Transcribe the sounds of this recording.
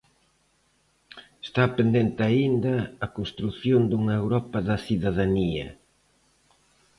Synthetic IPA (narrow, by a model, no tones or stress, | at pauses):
est̪apɾend̪ent̪ɪaind̪ɐːkonst̪ɾuθjond̪uŋɐewɾɔpɐðɐsiðaðaniɐ̰